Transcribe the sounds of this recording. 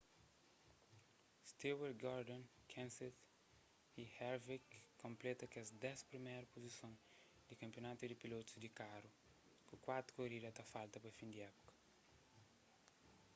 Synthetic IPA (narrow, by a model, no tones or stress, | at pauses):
st̪iweɾɡɔɾd̪õnkʰɛ̃nset̪ | ihɛɾvikːõmplɛt̪ɐkɛsd̪ɛspɾimɛjɾɐpozisõn | d̪ikɐ̃mpjonat̪ud̪ipilot̪u̥zd̪ikaɾu | kukwat̪ɾu̥koɾid̪ɐt̪ɐfalt̪ɐpɐfĩnd̪iɛpu̥kɐ̥